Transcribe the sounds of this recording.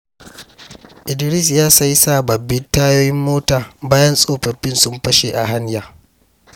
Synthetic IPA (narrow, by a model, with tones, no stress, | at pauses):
ʔɪ˨dɪ˨ɾɪ˦˨s̬jaː˦sɐ˦ji˦saː˦˨bɐ˨bːɪ˦ntaː˦joː˦jɪ˦mːoː˦taː˨baː˦jɐ˦nsʼoː˦ɸɐ˨ɸɪ˦nsʊ˦mɸɐ˦ʃe˨ʔa˨ɦa˦ɲjaː˨